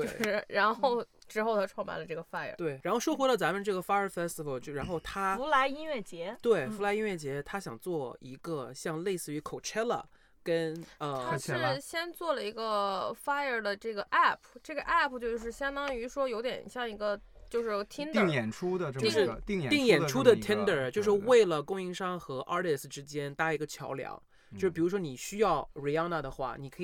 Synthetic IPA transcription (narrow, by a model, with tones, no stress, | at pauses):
e˥˩˥ɻa˧˥nxo˥˩ʊ | ʈ͡ʂɻ̩˧˥xo˥˧ʊt̪ʰa˥ʈ͡ʂʰwɑ˥˧ŋma̰˧˩nlə˧ʈ͡ʂɤ˥˩ɡə˩fa˥ə̰˨˧˩t̪we˥˩ɪɻa˧˥nxo˥˩ʊʂwɔ˥xwɔ˧˥lə˧t͡sa˧˥mə˧ʈ͡ʂɤ˥˩ɡə˩fa˥ə˞˧˥fɛ˥st̪i˨˩ə˨˩lt͡ɕjo˥˩ʊɻa˧˥nxo˥˩ʊt̪ʰa˥˧˥la˧˥ɪi˥nɥɛ˥˩t͡ɕjɛ˧˥t̪we˥˩ɪfu˧˥la˧˥ɪi˥nɥɛ˥˩t͡ɕjɛ˧˥t̪ʰa˥ɕjɑ˨˩ŋt͡swɔ˥˩ḭ˧˥ɡə˧ɕjɑ˥˧ŋle˥˧ɪsɹ̩˥˩y˧˥kʰo˨˩ʊʈ͡ʂʰɛ˥lə̰˨ | kə˥nə˧t̪ʰa˥˩ɕjɛ˥nt͡swɔ˥˩lə˩i˧˥ɡə˧fa˥ə˞˨˩d̪ə˩ʈ͡ʂɤ˥˩ɡə˩ʔa˥˩pʰʈ͡ʂɤ˥˩ɡə˩ʔa˥˩pʰt͡ɕjo˥˧ʊʂ̬ɻ̩˥˩ɕjɑ˥ŋd̪ɑ˥ŋy˧˥ʂwɔ˥jo˧˥ʊt̪jɛ̰˨˩nɕjɑ˥˧˩ŋi˧˥ɡə˧ | t͡ɕjo˥˧ʊʂɻ̩˥˧t̪ʰi˥nd̪ŋjɛ˨˩nʈ͡ʂʰu˥d̪ə˨˥jʂɻ̩˥˧i˥˧ŋ˨t̪i˥˩ŋjɛ˨˩nʈ͡ʂʰu˥d̪ə˨t̪ʰi˥nd̪ə˞˨t͡ɕjo˥˧ʊʂɻ̩˥˧we˥˩ɪlə˩kʊ˥ŋi˧˥ŋʂɑ˥ŋxɤ˧˥ʔɑ˥t̪ɛ˥˩sʈ͡ʂɻ̩˥t͡ɕjɛ˥nt̪a˥i˧˥ɡə˧t͡ɕʰjɑ̰˧˥ʊljɑ̰˧˥ŋt͡ɕ | t͡ɕo˥˧ʂɻ̩˥pi˨˩u˧˥ʂwɔ˥ni˨˩ɕy˥jɑ˥˩ʊɹi˧˩a˥ŋna˥˧d̪ə˩xwa̰˥˩ni˨˩kʰɤ˧˥˨